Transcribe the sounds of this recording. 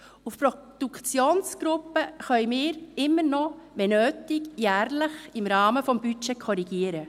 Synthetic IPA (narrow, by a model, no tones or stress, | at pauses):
ufpɾɔd̥ukt͡sjoːnsɡ̥ɾʊpəχœʏmɪːɾɪmːənɔʋɛnøːtɪɡjæːɾləχɪmɾɑːməfɔmbyt͡ʃɛkʰɔɾiɡ̥iəɾə